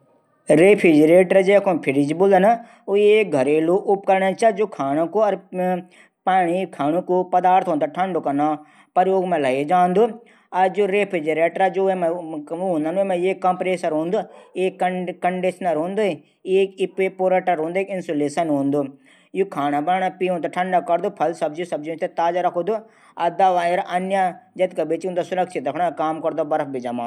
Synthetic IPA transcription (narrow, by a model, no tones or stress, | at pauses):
ɾeːpʰɪd͡ʒɾeːʈɾad͡ʒekʰopʰɪɾid͡ʒboːld̪əna | ueːk̚ɡʱɐɾeːluʔʊp̚kɐɾnat͡ʃaːd͡ʒokʰaːñokoɐɾ | paːnikʰaːnukopɐd̪aːɾt̪ʰɦõːnd̪aʈʰɐɳɖokɐna | pəɾjoːɡmẽlɐed͡ʒaːnd̪uː | ɐɾd͡ʒoːɾeːpʰɪd͡ʒeɾeːʈɾad͡ʒoemɦõnd̪aːnemẽeːkːɐmpɾeːsəɾɦõːnd̪oeːkːɐːɐɳɖiʃnɐɾɦõːnd̪u | eːkipepoːɾɐʈɐɾɦõːnd̪ueːkɪnsoːleːsɐnɦũːnd̪u | jukʰaːɽ̃abɐɾɳ̃apiːɦũːnd̪aʈʰɐ̃ɳɖakɐɾd̪upʰɐlsɐb̚d͡ʒisɐbd͡ʒiũt͡ʃʰt̪et̪aːd͡ʒaɾɐkʰod̪u | ɐd̪aːʋaːeɾʔɐnjad͡ʒɐt̪kabeːt͡ʃiũnd̪osʊɾɐkʃɪt̪ɾɐkʰɽ̃akaːmkɐɾd̪obɐɾɐp̚bid͡ʒɐmãː